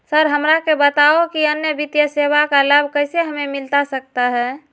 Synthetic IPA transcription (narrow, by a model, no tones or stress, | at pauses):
səɾɦəmɾakebət̪aokiənjəbit̪jəsebakaləbʱkəɪseɦəmemilt̪asək̚t̪aɦɛ